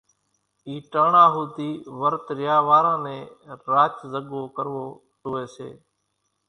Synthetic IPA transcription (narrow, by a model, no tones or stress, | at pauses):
iːʈaːɳaːɦuːt̪iːʋəɾt̪ɾɪjaːʋaːɾãːnẽːɾaːt͡ʃzəɠoːkəɾʋoː | ʈoːeːsḛː